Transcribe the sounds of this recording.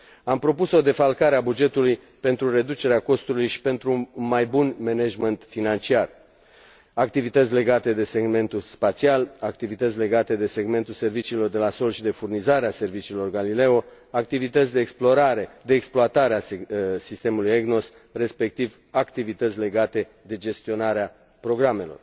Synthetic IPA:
ampɾo̞puso̞d̪e̞falkaɾeabud͡ʒe̞t̪uluj | pe̞nt̪ɾure̞d̪ut͡ʃe̞ɾeako̞st̪ulujʃi̥pe̞nt̪ɾunmajbunme̞neʒment̪finant͡ʃiar | ak̚t̪ivit̪ət̪sʲle̞ɡat̪e̞d̪e̞se̞ɡme̞nt̪ulspat̪sialak̚t̪ivit̪ət̪sʲle̞ɡat̪e̞d̪e̞se̞ɡme̞nt̪ulse̞rvit͡ʃiːlo̞rd̪e̞laso̞lʃid̪e̞furnizaɾease̞rvit͡ʃiːlo̞rɡalile̞o | ak̚t̪ivit̪ət̪sʲd̪e̞ːksplo̞ɾaɾe̞d̪e̞ːksploat̪aɾeasist̪e̞mulujeɡno̞s | re̞spe̞k̚t̪iv | akt̪ivit̪ət̪sʲle̞ɡat̪e̞ | d̪e̞d͡ʒe̞st̪io̞naɾea | pɾo̞ɡɾame̞lo̞̰r

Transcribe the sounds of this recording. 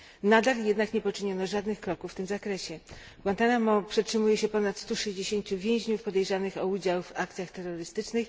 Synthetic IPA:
nad̪aljɛd̪nakɲɛpɔt͡ʂɘɲɔnɔʐad̪nɘxkɾɔkufːt̪ɘmzakɾɛɕɛ | ɡwant̪anamɔpʂɛtʂɘmujɛɕɛpɔnat̪st̪uʂɛʑd͡ʑeɕeɲt͡ɕuvʲjew̃ʑɲufpɔd̪ɛjʐanɘxɔud͡ʑawvak̚t̪sʲjaxt̪ɛɾːɔɾɘst̪ɘt͡ʂnɘx

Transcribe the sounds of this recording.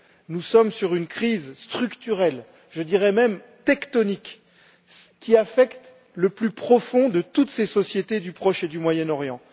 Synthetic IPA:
nusɔmsyʁynkχizst̪χykt̪yʁɛl | ʒəd̪iʁɛmɛmt̪ɛkt̪ɔnik | kʲiafɛkt̪ | ləplypχɔfɔ̃d̪ət̪ut̪sesɔsjet̪ed̪ypχɔʃed̪ymwajɛnɔʁjɑ̃

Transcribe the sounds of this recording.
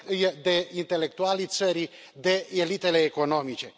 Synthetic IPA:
jed̪e̞int̪e̞le̞k̚t̪ualit̪səɾi | d̪e̞elit̪e̞leːko̞no̞mit͡ʃe̞

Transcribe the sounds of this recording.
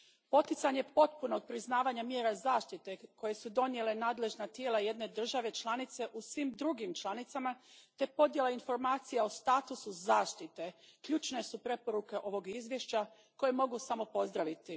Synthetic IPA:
po̞t̪it̪saɲe̞po̞t̪puno̞ɡ̚pɾiznaːʋaɲamje̞ːɾazaːʃt̪it̪e̞ko̞je̞sud̪o̞nje̞le̞naːd̪le̞ʒnat̪jeːlaje̞d̪ne̞d̪r̩ʒaʋe̞t͡ʃlˠanit̪se̞ʔusʋimd̪ɾuɡimt͡ʃlˠanit̪samat̪e̞po̞d̪je̞lˠainfo̞ɾmaːt̪sijaost̪aːt̪usuzaːʃt̪it̪e̞kʎut͡ʃne̞supɾe̞po̞ɾuke̞ʔo̞ʋo̞ɡizʋjeʃt͡ɕa | ko̞je̞mo̞ɡusamo̞po̞zd̪ɾaʋit̪i

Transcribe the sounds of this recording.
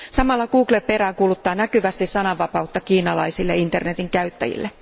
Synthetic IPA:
sɑmɑlːɑkuːklepe̞ræːkulut̪ːɑːnækyʋæst̪issɑnɑʋɑpɑut̪ːɑkiːnɑlɑ̰isilːeint̪ernet̪iŋkæyt̪ːæ̰jḭlːe

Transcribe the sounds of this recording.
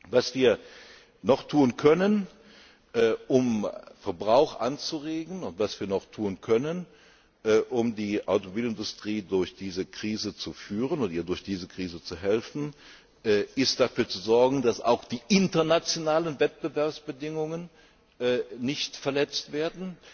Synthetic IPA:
vasv̥iːɐ | nɔχtʰuːnkʰœnən | ʔːʔʊmfɛɐbʁaʊxʔa̰nt͡suʁeːɡŋ̩ʊntv̥asv̥iːɐnɔχtʰuːnkʰœnən | ʔːʔʊmdiːʔa̰ʊtomobiːlɪndʊstʁ̥iːdʊɐçd̥iːzəkʁ̥iːzət͡sufyːʁənʊntiːɐdʊɐçd̥iːzəkʁ̥iːzət͡suɦɛlfn̩ | ʔːʔɪst̚d̥afyːɐt͡suzɔɐɡŋ̩dasa̰ʊxd̥iːʔɪntɐnat͡sjonaːlənvɛt̚b̥əvɛɐpsb̥ədɪŋʊŋən | ʔːnɪçtfɛɐlɛt͡stv̥eːɐdn̩

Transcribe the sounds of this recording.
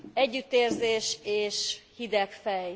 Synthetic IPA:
ɛɟːyt̪ːeːrzeːʃeːʃhid̪ɛkfɛj

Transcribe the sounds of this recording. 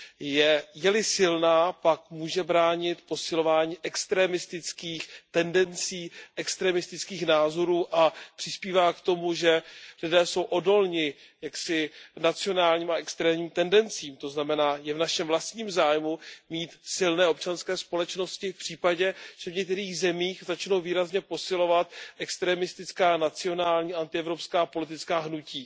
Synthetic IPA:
jɛjɛlɪsɪlnaːpakmuːʒɛbɾaːɲɪt̪po̞sɪlo̞vaːɲiːʔɛkst̪ɾɛːmɪst̪ɪt͡skiːxt̪ɛndɛnt͡siːʔɛkst̪ɾɛmɪst̪ɪt͡skiːxnaːzo̞ɾuːʔapr̥ɪspiːvaːkt̪o̞muʒɛlɪdɛːso̞wʔo̞do̞lɲɪ | jaksɪnat͡sɪo̞naːlɲiːmaɛkst̪ɾɛːmɲiːmt̪ɛndɛnt͡siːmt̪o̞znamɛnaːjɛvnaʃɛmvlast̪ɲiːmzaːjmumiːt̪sɪlnɛːo̞pt͡ʃanskɛːspo̞lɛt͡ʃno̞scɪfpr̝̥iːpaɟɛʒ̥ɛvɲɛk̚t̪ɛɾiːɣzɛmiːxzat͡ʃno̞wviːɾazɲɛpo̞sɪlo̞vat̪ʔɛkst̪ɾɛmɪst̪ɪt͡skaːnat͡sɪo̞naːlɲiːaʔant̪ɪɛvɾo̞pskaːpo̞lɪt̪ɪt͡skaːɦnuciː

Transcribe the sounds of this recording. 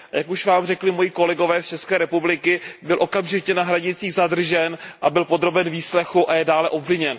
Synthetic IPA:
jakuʃvaːmrɛklɪmojiːko̞lɛɡo̞vɛːst͡ʃɛskɛːɾɛpublɪkɪbɪlʔo̞kamʒɪcɛnaɦɾaɲɪt͡siːɣzadr̩ʒɛnʔabɪlpo̞d̪ɾo̞bɛnviːslɛxuʔajɛdaːlɛʔo̞bvɪɲɛn

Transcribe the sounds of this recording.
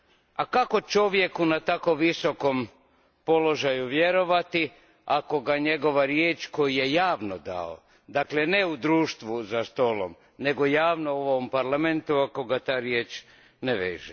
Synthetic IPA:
akako̞t͡ʃo̞ʋje̞kunat̪ako̞ʋːiso̞ko̞m | po̞lo̞ʒajuʋje̞ɾo̞ʋat̪i | ako̞ɡaɲe̞ɡo̞ʋaɾjeːt͡ʃko̞jije̞jaːʋnod̪a̰o̰ | d̪akle̞neud̪ɾuːʃt̪ʋuzast̪o̞ːlo̰m | ne̞ɡo̞jaːʋnooʋompaɾlament̪uako̞ɡat̪aːɾjeːt͡ʃ | neʋḛːʒe

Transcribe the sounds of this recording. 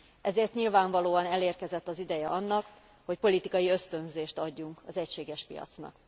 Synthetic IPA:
ʔɛzeːrt̪ɲilvaːɱvɒloːɒnɛleːrkɛzɛt̪ːɒzid̪ɛjɛʔɒnːɒk | ho̞cpo̞lit̪ikɒjiø̞st̪ø̞nzeːʃt̪ɒɟːuŋkɒzɛcʃeːɡɛʃpijɒ̰t̪snɒ̰k

